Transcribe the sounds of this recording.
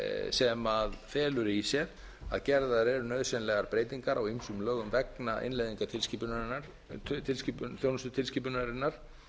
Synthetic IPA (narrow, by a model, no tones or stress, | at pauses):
sɛmaðfɛːlʏɾisjɛɾ | a̰ðcɛɾðaɾɛɾʏnœðsɛnlɛɣaɾpɾeːjt̪iŋkaɾʔawimsʏmlœːɣʏmvɛknaʔɪ̰nlejðiŋkat̪ʰɪlscipʏnaaɾ | t̪ʰɪlscipθjoːwnʏst̪ʏ̥t̪ʰɪlsciːpʏnaɾɪnːaɾ̥